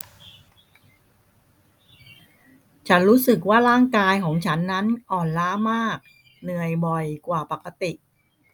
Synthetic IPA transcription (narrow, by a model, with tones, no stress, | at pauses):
t͡ɕʰa˦˥nɾuː˦˥sɯ˨˩k̬̚waː˥˩ɾaː˥˩ŋkaː˧jkʰɔː˩˦ŋt͡ɕʰa˦˥nːa˦˥nʔɔː˨˩nlaː˦˥maː˥˩k̚ | nɯ˨˩əjbɔ˨˩jkwaː˨˩pa˨˩kːa˧t̪i˨˩ʔ